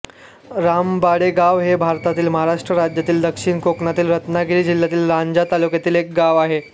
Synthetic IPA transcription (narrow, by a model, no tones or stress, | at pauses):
ɾambaɽeɡaʋɦebʱaɾt̪at̪iːlməɦaɾaʂʈɾəɾad͡ʑjat̪iːld̪əkʂiːɳkoknat̪iːlɾət̪naɡiɭiːd͡ʑiljat̪iːlɾaɲd͡ʑat̪alukjat̪iːlek̚ɡaʋaɦe